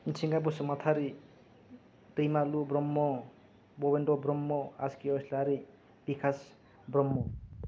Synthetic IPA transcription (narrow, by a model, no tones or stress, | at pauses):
insʰiŋɡab̬osmat̪ʰaɾi | t̪ejmalubɾɔmːɔ | bobenɖɔbɾɔmːɔaskiɔslaɾi | b̥ikʰas | brɔmːɔ